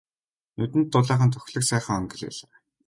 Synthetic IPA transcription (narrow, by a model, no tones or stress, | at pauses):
nɵt̪ɘ̆nt̪ːʊɮæːχə̆nt̪ʰɵ̥xʲɮɘ̆ksæːχə̆ŋœŋɡɪ̆ɮḛːɮaː